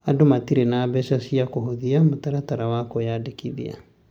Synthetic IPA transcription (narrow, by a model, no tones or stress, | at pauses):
adomatiɾenaːbɛʃasiakoɦoðiamotaɾataɾawakojadekiðḭa̰